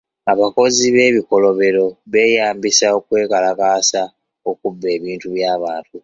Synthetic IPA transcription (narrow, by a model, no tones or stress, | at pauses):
aβako̞ziβe̞ːβiko̞lo̞βe̞ɾo̞βe̞ːjaːmbisao̞kwe̞ːkalakaːsa | okubːe̞ːβiːntuβjaːβaːntu